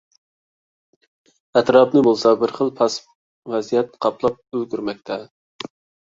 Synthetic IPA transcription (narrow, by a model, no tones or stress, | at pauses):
ɛt̪ɾɑpnɪbolˠsɑbɪɾχəlˠpʰɑs | vɛzijɛt̪qʰɑpʰlˠɑp̚ølɡʲyɾmɛk̚ʲt̪ʰɛ